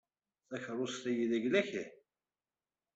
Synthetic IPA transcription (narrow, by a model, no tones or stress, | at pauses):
θæçərˤːost̪æjiðæʝlæçi